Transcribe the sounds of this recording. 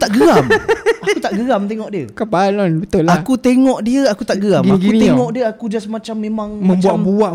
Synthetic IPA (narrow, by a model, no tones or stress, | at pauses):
t̪aʔɡəɾamaut̪aʔɡəɣamt̪eŋɔʔdiəkəpalɔnbət̪ʊlakut̪eŋɔʔdiəakut̪aʔɡəɣamɡakɡiut̪eŋɔʔdiəakud͡ʒasəmat͡ʃamːẽmãŋmə̃mbt͡ʃuaʔmbuaʔ